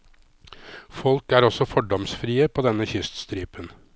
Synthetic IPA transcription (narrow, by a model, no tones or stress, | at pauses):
fɔlkæːɾɔsɔfɔɖɔmsfɾiːəpʰoːd̪ɛnːəçʏst̪st̪ɾiːpən